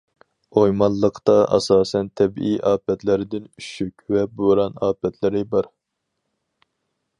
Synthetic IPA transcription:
ojmɑlˠːəqt̪ɑʔɑ̰sɑːsɛnt̪ʰɛbijʔɑːpɛt̪ʰlɪɾɪd̪ɪnyʃykʲvɛbuɾɑnɑːpɛt̪ʰlɪɾɪbɑɾ

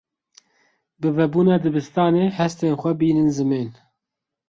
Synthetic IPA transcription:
bɨvɛbuːnɑːd̪ɨbɨst̪ɑːneːhɛst̪eːnxʷɛbiːnɨnzɨmeːn

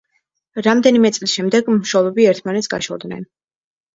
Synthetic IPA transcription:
ɾamd̪ɛnimɛt̪sʼlisʃɛmd̪ɛɡmʃɔlˠɔbiɛɾt̪ʰmanɛt̪sɡa̰ʃɔ̰lˠd̪nɛ̰n

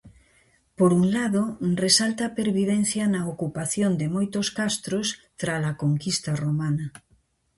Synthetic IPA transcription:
poɾuŋlaðoresalt̪ɐpeɾβiðen̟θjɐnɐokupaθjond̪ɪmojt̪oskast̪ɾost̪ɾalakoŋkist̪ɐromanɐ

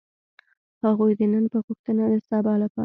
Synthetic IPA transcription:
haɣujd̪enənpəɣʊxt̪ənad̪əsabɑlapɑ̰

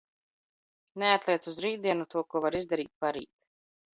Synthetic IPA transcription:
neat̪lʲˠiɛsuzɾiːt̪d̪iɛnut̪uɔkuɔvaɾizd̪aɾiːt̪̚paɾḭːt̪

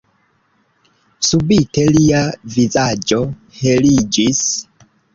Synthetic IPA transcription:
subite̞liavizad͡ʒo̞ | helid͡ʒis

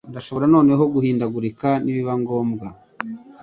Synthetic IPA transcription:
ndaʃo̞βo̞ɾano̞ːne̞ɦo̞ɡuhiːndaɡuɾikaniβiβaŋɡoːmɡa

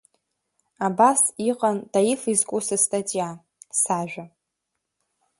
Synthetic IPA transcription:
abasiqʼandajifizkʷʼusɨstʼatʼija | saʒᶣʷa

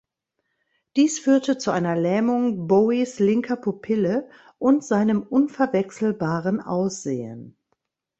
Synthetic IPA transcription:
d̥iːsfyːɐtət͡suʔaɪnɐlɛːmʊŋboislɪŋkʰɐpʰʊpʰɪlə | ʔʊntz̥aɪnəmʔʊnfɛɐvɛksl̩baːʁənʔa̰ʊsz̥ḛːə̰n

